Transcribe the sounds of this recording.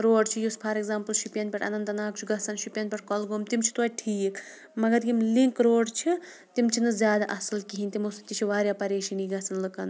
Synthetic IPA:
ɾoːɖt͡ʃʰijuspʰɐɾeɡzaːmpɨlʃupʲjɐnpʲɐʈʰɐ̰nɐnt̪ɐnaːk̚t͡ʃʰuɡɐsɐnʃupʲjɐnpʲɐʈ̚ʰkɔlɡoːmt̪imt͡ʃʰi̥t̪uaʈʰiːk | mɐɡɐɾɡimliŋkɾoːɖt͡ʃʰi | t̪imt͡ʃʰinɨzʲjaːd̪aʔɐsɨlkiɦinʲt̪imost̪it͡ʃʰiʋaːɾʲjapɐɾeːʃiniɡɐsɐnlɨkɐn

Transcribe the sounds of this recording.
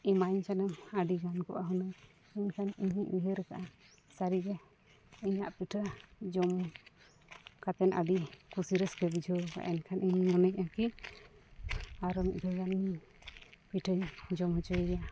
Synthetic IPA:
imaɲt͡ʃanəmaɖiɡankɔ̰ʔaɦunə | ɛɲkʰaniɲiʔiɦəɾɛkaʔa | saɾiɡɛ | iɲaʔpiʈʰəd͡ʒɔm | kat̪ɛnʔa̰ɖikusiɾɛskɛbid͡ʒʱɔɾka̰ʔɛnkʰaniɲmɔnɛɲaki | aɾɔmḭd̪ʱɔɡaniɲi | piʈʰəɲd͡ʒɔmɦɔt͡ʃɔɡja

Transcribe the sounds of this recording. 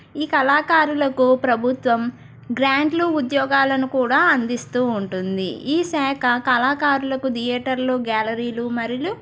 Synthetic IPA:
iːkɐlaːkaːɾulɐkupɾɐbʱut̪ʋɐm | ɡɾaːɳɖluud̪jɔːɡaːlɐnukuːɽaːɐnd̪ist̪uːɳʈund̪ḭiːsɛːkʰɐkɐlaːkaːɾulɐkud̪ijɛːʈɐɾloːɡaːlɐɾiːlumɐɾilu

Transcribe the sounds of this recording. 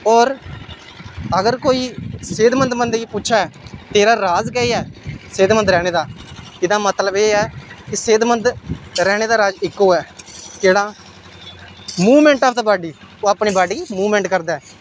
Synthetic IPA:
ɔːɾ | əɡəɾkoːiːseːd̪mənd̪mənd̪ipʊːʃʰaːɛːt̪eːɾaːɾaːzɡɛiːɛːseːd̪mənd̪ɾɛːɽ̃eːd̪aːɪd̪aːmət̪ləbeːɛːkɪseːd̪mənd̪ɾɛːɽ̃eːd̪aːɾaːd͡ʒɪkːoːɛːd͡ʒeːɽaː | muːʋmɛ̃ːɳʈaːpt̪aːbaːɖiː | oːapɳiːbaːɖiːmuːʋmɛ̃ːɳʈkəɾd̪aːɛː

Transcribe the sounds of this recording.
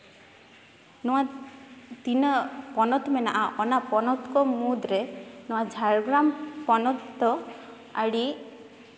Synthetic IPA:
nɔa | t̪inɔpɔnɔt̪ɔmenaʔaʔɔnapɔnɔt̪kɔmud̪ɾenɔwad͡ʒʱaɾɡɾampɔnɔt̪ːɔ | a̰ɽi

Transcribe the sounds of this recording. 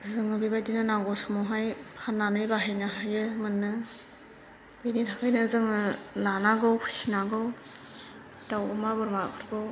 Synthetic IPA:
zɯŋɯbibajdinɯnaɡɔsumɔwɦajpʰanːanɯjbaɦajnaɦajɯmɯnːɯ | bɯjnitʰakʰɯjnɯzɯŋɯlanaɡɯwkʰu̥sinaɡɯw | dawɯmabɯɾmapʰɯɾɡɯw

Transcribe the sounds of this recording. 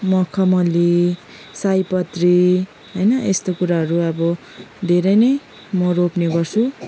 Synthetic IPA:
mʌkʰʌmʌli | sajpʌt̪ri | ɦʌjnʌʔest̪okuɾaɦʌɾuʌbʌ | d̪ʱeɾʌjnʌj | mʌropneɡʌrt͡sʰu

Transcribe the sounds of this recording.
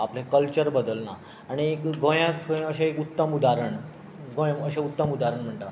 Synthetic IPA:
aplẽkəlt͡ɕəɾbəd̪əlna̰ | aɽ̃iekɡʱõjãkəɕẽekut̪ːəmud̪aɾəɳ | ɡʱõjəɕãut̪ːəmud̪aɾəɳm̤əɳʈ̪a

